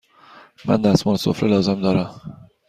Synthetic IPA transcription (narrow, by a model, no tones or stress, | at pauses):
mæ̰nd̪æsmɒːneso̰fɾelɒːzemd̪ɒːɾæm